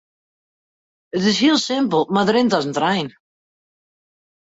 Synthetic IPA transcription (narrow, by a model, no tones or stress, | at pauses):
ɪt̪ɪz̥hilˠsɪ̃mpəl̩ˠmaðɾɪnt̪asnt̪ɾajn